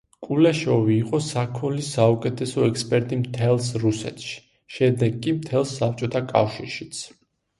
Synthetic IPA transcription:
kʼulɛʃɔviːqʼɔsakʰulisaukʼɛt̪ʰɛsɔɛkspʼɛɾt̪ʼimt̪ʰɛlˠsɾusɛ̰t̪ʰʃi̥ | ʃɛd̪ɛɡːʼimt̪ʰɛlˠsap̚t͡ʃʼɔt̪ʰakʼa̰fʃiɾʃit̪sʰ

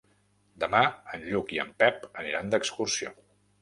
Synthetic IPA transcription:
d̪əmaənʎukiə̰mpɛpəniɾand̪əkskursio̰

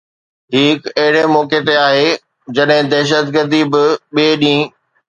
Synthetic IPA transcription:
ʈʰiːkɐɦɪɽemɔːket̪eaːɦeː | d͡ʑɐɗɦɪ̃d̪ɛːʃ̬ət̪ɡəɾd̪ibɪɓieːɗĩː

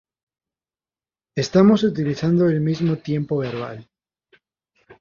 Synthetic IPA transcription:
e̞st̪amo̞sut̪̬iliθand̪oelmizmot̪je̞mpo̞βe̞ɾβa̰l

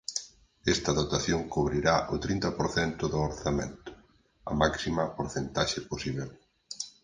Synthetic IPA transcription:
ɛst̪ɐðot̪aθjoŋkuβɾiɾaʔʊt̪ɾint̪ɐpoɾθɛnt̪ʊðʊoɾθamḛ̃nt̪ʊ̥ | ɐ̰maksimɐpoɾθent̪aʃɪposiβel

